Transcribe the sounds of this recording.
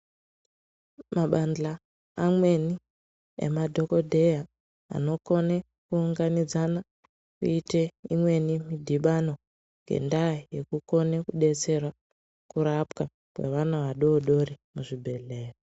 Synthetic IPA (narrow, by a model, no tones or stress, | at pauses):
maɓanɮaː | mwe̞ni | ḛmadʱo̞ko̞dʱe̞ja | a̰no̞ko̞ne | kuːŋɡanid͡zana | kuiteimwe̞nimidʱiɓano̞ | ŋɡe̞̰ndaije̞kuko̞nekuɗe̞t͡se̞rwa | kuɾapka | kwe̞̰ʋanaʋaɗoɗo̞rimuʐibʱe̞ɮe̞ːro